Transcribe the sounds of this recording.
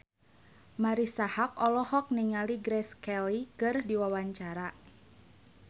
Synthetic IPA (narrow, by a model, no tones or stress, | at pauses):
maɾisahak̚ɔlɔhɔk̚niŋaliɡɾɛskɛlikɨrdiwawaɲt͡ʃaɾa